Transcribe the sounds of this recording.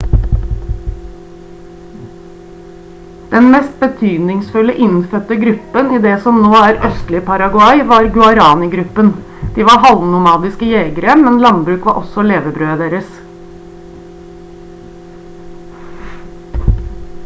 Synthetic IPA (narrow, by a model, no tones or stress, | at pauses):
d̪̥ɛnmɛst̪̚bət̪ʰyːd̪nɪŋsfʉləʔɪnfœt̪əɡɾʉpəniːd̪eːsɔmnoːæːɾœst̪lɪpʰɑɾɑɡʊɑɪʋɑːɾɡʉɑɾɑːnɪɡɾʉpən | d̪̥iːʋɑːhɑlnʊmɑːd̪ɪskəjeːɡəɾəmɛnlɑnbɾʉːkʋɑ̰ːʔɔsɔleːʋəbɾøːd̪eːɾəs